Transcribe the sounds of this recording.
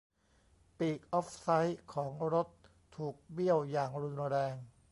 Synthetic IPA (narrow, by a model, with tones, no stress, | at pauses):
piː˨˩k̚ʔɔː˦˥p̚sa˦˥jkʰɔː˩˦ŋɾo˦˥t̪ʰː | uː˨˩k̚bi˥˩əwjaː˨˩ŋɾu˧nɾɛː˧ŋ